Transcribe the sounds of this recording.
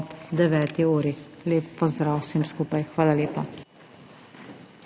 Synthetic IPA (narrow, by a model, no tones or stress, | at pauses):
pd̪ɛʋɛːt̪iuːɾileːpːɔzd̪ɾaːwsemskuːpajxʋaːlaleːpa